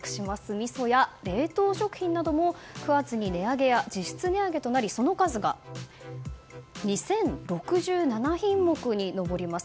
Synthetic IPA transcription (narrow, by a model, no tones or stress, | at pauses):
kɯ̥ɕimasɨmʲiso̞jaɾe̞ːt̪o̞ːɕo̞kɯ̟̥çʲĩnːad̪o̞mo̞kɯ̟βat͡sɨɲ̟ine̞aɡe̞jad͡ʑiɕi̥t͡sɨne̞aɡe̞t̪o̞naɾʲiso̞no̞kazɨɡa̰ | ɲ̟isẽ̞nɾo̞kɯ̟ʑɨːnanaçĩmːo̞kɯ̟ɲ̟ino̞bo̞ɾʲimasɨ̥